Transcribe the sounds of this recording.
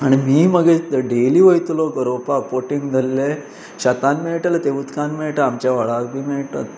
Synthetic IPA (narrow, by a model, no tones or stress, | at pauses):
aɽ̃imiːməɡed̪əɖeliːʋəjt̪loɡəɾopakpoʈiŋɡd̪ʱəlːe | ɕat̪anmeɭʈalt̪ebut̪kãnmiɭʈaːmt͡ɕjaʋaɭaɾbʱiːmeɭʈa̰t̪